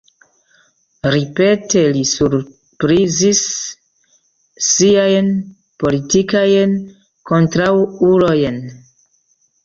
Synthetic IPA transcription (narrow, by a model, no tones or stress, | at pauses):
ɾipe̞te̞lisuɾ | pɾizis | iajn | po̞litikajn | ko̞ntɾawulo̞jn